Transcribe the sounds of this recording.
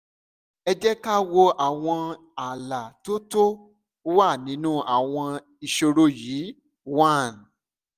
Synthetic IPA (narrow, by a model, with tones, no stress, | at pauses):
ɛ˧d͡ʒɛ˦ka˦wo˧a˨w̃ɔ̃˧ | a˨la˨to˦to˦ | wa˦˨nĩ˨˦nũ˦ʔa˨w̃ɔ̃˧ | i˧ʃo˧ɾo˧jiː˨˦ | wa˦˨n˨